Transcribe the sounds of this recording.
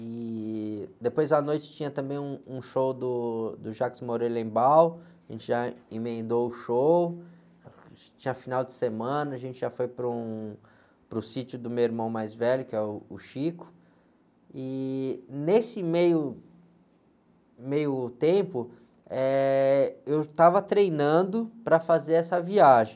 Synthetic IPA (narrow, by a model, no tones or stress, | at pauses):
ɪ | d̪epojzɐnojt͡ʃɪ̥t͡ʃĩɲɐt̪ɐ̃mbẽj̃ũũʃowd̪ʊd̪ʊʒakɪ̥zmoɾelẽbawaʒḛ̃nt͡ʃɪʒaĩmẽnd̪owʊʃow | t͡ʃĩɲɐfinawd͡ʒɪ̥semɐ̃nɐʒẽnt͡ʃɪʒafojpɾʊ | pɾʊsit͡ʃʊd̪ʊmewiɾmɐ̃w̃majzvɛʎʊkɪɛʊːʃikʊ̥ | ɪ | nesɪmejʊ | mejʊt̪ẽpʊ | ɛ | ewt̪avɐt̪ɾejnɐ̃d̪ʊpɾɐfazeɾɛsɐviaʒẽj